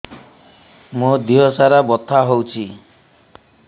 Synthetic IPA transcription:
mũd̪iɦɔsaɾabɔt̪ʰaɦowt͡ʃʰi

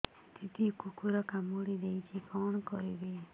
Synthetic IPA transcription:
t̪it̪ikukuɾɔkamoɽid̪eit͡ʃʰikɔɳ̃kɔɾibe

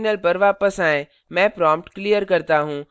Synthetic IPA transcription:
nəlpɐɾʋaːpəsaːɪ̃ | mɛ̃ːpɾãːmp̚ʈklijəɾkɐɾt̪aɦũː

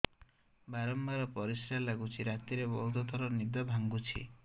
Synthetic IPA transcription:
baɾɔmbaɾɔpɔɾisɾalaɡut͡ʃʰiɾat̪iɾebɔɦut̪ɔt̪ʰɔɾɔnid̪ɔbʱaŋɡut͡ʃʰḭ

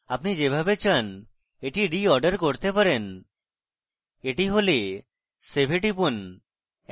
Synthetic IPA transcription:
apnid͡ʑebʱabet͡ɕʰan | eʈiɖiɔɾɖəɾkoɾt̪epaɾen | eʈiɦole | sebʱeʈipun

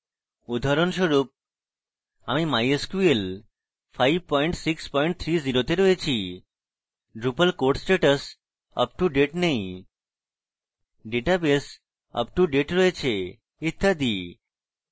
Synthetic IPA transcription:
ud̪ʱaɾonʃoɾup̚ | amimajeskuel | fʰajb̚pɔiɳʈsikspɔiɳʈ̚t̪ʰɾiziɾot̪eɾɔet͡ɕʰi | ɖɾupəlkoɾʈsʈeʈəs | ə̰p̚ʈuɖeʈnej̃ | ɖeʈabes | ə̰pʈuɖeʈɾɔet͡ɕʰe | it̪ʰːad̪i

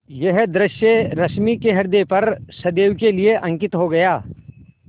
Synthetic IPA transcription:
jɐɦd̪ɾɪʃjeɾɐʃmikeɦɐɾd̪epɐɾsɐd̪eːwkelieʔɐ̃ŋkɪt̪ɦoɡɐjaː

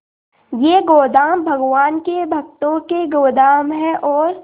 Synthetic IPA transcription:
jeːɡoːd̪aːmbʱɐɡʋaːnkebʱɐkt̪õkeɡoːd̪aːmɦɛʔɔːɾ

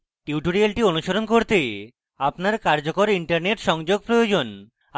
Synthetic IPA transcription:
ʈiwʈoɾialʈionuʃoɾonkoɾt̪e | apnaɾkaɾd͡ʑokoɾiɳʈaɾneʈʃɔŋd͡ʑoɡ̚pɾojod͡ʑon

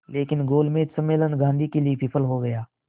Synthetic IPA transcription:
leːkɪnɡoːlmẽsəmːeːlənɡʱãːnd̪ʱikeliepɪpʰəlɦoɡɐjaː

